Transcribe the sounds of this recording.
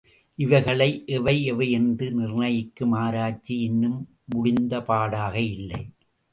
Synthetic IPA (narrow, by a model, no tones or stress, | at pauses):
ʔɪʋɐɪɣɐɭɐɪʔɛʋɐɪɛʋɐɪɛndrɯnɪrnɐjɪkːɯmaːɾaːt͡ʃːiɪnːɯmː | ʊɽɪnd̪ɐpaːɽaːɣɐɪlːɐɪ